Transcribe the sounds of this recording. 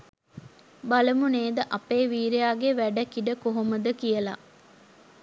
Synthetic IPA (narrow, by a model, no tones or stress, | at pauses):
baləmuneːd̪əʔɐpeːʋiːɾejaːɡeʋæɖəkiɖəkoɦoməd̪əkijəla̰